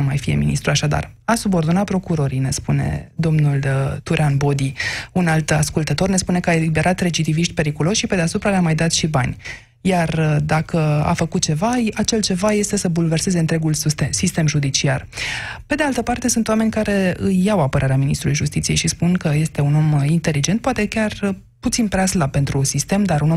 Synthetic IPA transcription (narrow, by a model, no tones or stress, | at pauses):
umajfije̞̰mḭnist̪ɾuaʃad̪a̰rasubo̞rd̪onat̪̚pɾo̞kuɾo̞ɾijne̞spune̞̰d̪o̞mnult̪uɾeanbo̞d̪iunalt̪askult̪ət̪o̞rne̞spune̞kəaelibeɾat̪ɾe̞d͡ʒit̪iviʃt̪ʲpe̞ɾikulo̞ʃʃipe̞d̪easupɾaleamajd̪at̪ʃibanʲ | jard̪akəa̰fəkut̪̚t͡ʃe̞vaat͡ʃe̞lt͡ʃe̞vaje̞st̪e̞səbulve̞rse̞ze̞ɨnt̪ɾe̞ɡulsist̪e̞mʒud̪it͡ʃiarpe̞d̪ealt̪əpart̪e̞sunt̪wame̞nʲkaɾe̞ɨjːawapəɾʔaɾeaminist̪ɾulujʒust̪it̪sije̞jʃispunkəje̞st̪e̞uno̞mint̪e̞lid͡ʒe̞nt̪̚pwat̪e̞kʲar | put̪sinpɾeaslape̞nt̪ɾusist̪e̞md̪aɾuno